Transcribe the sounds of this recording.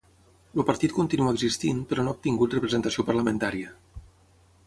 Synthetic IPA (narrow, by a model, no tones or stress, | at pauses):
lupəɾt̪it̪̚kunt̪inuəɡzist̪inpəɾɔnoup̚t̪iŋɡut̪rəpɾəzənt̪əsiopəɾləmənt̪aɾiə